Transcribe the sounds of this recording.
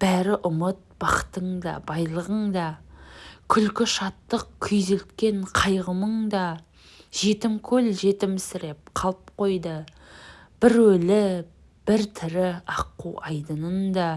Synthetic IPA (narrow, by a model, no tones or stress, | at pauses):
b̥æɾɪʔʊmət̪̚b̥ɑqə̥t̪əɴd̪ɑ̰bɑjlˠəʁəɴd̪ɑ | kʲʰʏlkʲɪʃɑt̪ːəq̚kʲʰʏjzelt̪kʲe̞ɴqʰɑjʁəməɴd̪ɑ | ʒ̥e̞t̪ɪmkʲʰɵlʒe̞t̪ɪmsɪɾe̞p̚qʰɑlˠəp̚qʰo̞jd̪ə | b̥ɪɾwɵlɪ | b̥ɪɾt̪ʰɪɾɪɑqːuɑjd̪ənənd̪ɑ